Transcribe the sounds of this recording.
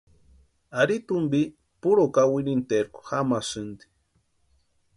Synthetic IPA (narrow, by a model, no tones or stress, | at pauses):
aɾit̪umbi | puɾokawinint̪eɾko̥xamasɨnd̪i̥